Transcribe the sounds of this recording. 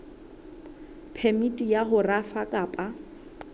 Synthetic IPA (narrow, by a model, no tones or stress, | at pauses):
pʰɛmitʼijaɦʊrafakʼaːpʼa